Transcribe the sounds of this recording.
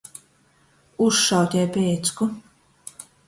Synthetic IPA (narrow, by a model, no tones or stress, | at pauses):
usʃawt̪ʲɛjpʲɛːt̪sku